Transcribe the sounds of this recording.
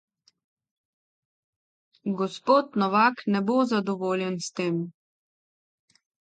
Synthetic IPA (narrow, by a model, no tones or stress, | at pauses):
ɡɔspoːt̪nɔʋaːknɛboːzad̪ɔʋoːljɛnst̪eːm